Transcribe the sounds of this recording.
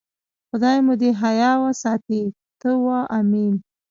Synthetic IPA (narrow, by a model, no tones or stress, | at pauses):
xʊd̪ɑjmud̪eɦajɑwasɑt̪i | t̪əwaʔamin